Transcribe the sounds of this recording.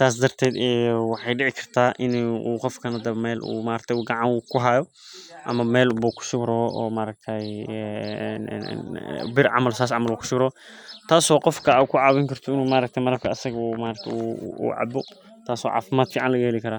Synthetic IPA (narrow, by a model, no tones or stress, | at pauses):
t̪ʰaːs̬d̪ɐrt̪ʰɛːd̪ɛjwɑħɑjɖɪʕɪkʰɐ̥r̥t̪ʰaːʔɪnuːqɔfkʰɐnɐd̪ɐβɐmɛːlʔṵːmaːɾɐk̚t̪ʰɛjuːɡɑʕɑŋkʰʊɦaːjɔ | ʔɐmɐmɛːlbuːkʰʊ̥ʃʊɡɾɔɔʔɔːmaːɾɐk̚t̪ʰɐjɛ̰ | bɪrʕɑ̰mɐlsaːs̬ʕɑmɐluːkʊ̥ʃʊbɾɔːt̪ʰaːsɔːqɔfkʰɐkʰʊʕɑwɪŋkʰɐrt̪ʰɔɪnuːmaːɾɐk̚t̪ʰɛmɐlɐb̚kʰɐɐsɐɣɐumaːɾɐkt̪ʰɛuṵːʕɑ̰bɔ | t̪ʰaːsɔ̰ːʕɑ̰ːfɪmaːd̪fiːʕɑnlɐɣɐhɛlɪkʰɐɾaː